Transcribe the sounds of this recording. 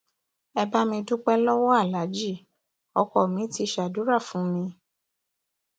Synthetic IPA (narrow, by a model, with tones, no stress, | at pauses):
ɛ˧ba˦mĩ˧du˦k͡pɛ˦lɔ˦wɔ˦a˦˨la˨˦d͡ʒi˦˨ | ɔ˧kɔ˨mĩ˨˦ti˧ʃa˨du˨˦ɾa˦˨fũ˨˦mĩ˧